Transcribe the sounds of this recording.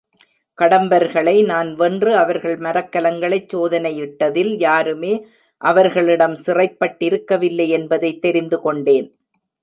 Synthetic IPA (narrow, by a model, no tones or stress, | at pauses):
kɐɽɐmbɐɾɣɐɭɐɪnaːnʋɛndrɯɐʋɐɾɣɐɭmɐɾɐkːɐlɐŋɡɐɭɐɪt͡ʃsoːðɐnɐjɪʈːɐðɪljaːɾɯmeː | ʔɐʋɐɾɣɐɭɪɽɐmsɪrɐɪpːɐʈːɪɾɯkːɐʋɪlːɐɪɛnbɐðɐɪt̪ːɛɾɪnd̪ɯkɔɳɖeːn